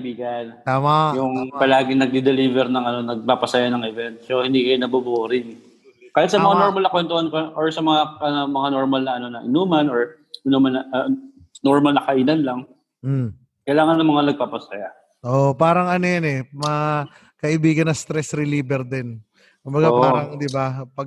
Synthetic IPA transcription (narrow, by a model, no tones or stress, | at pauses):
biːɡɐnt̪aːmajʊŋpɐlaːɡɪŋnɐɡ̚d̪ɛd̪ɛlivɛɾnɐŋɐno̞nɐɡ̚papɐsɐjanɐŋɛvɛnt̪̚sɛhɪnd̪ikɐjonɐbuboɾɪn | kaːhɪt̪sɐmɐŋanoɾmɐlnɐkwɛnt̪ohankoʔoɹsɐmɐŋaɐnomɐŋanoɹmalnɐʔɐno̞nɐʔɪnuːmɐnoɹ | ʔɪnumɐnɐ | noɹmɐlnɐkɐʔinanlɐŋ̩ | kɐjlaːŋɐnːɐŋmɐŋanɐɡ̚papɐsɐja | ʔopaːɾɐŋɐnojɐnɛmɐ | kɐʔɪbiːɡɐnːɐst̪ɾɛsɾɪliːbɛɾd̪ɛn | kʊmbɐɡapaːɾɐŋd̪ɪbapɐ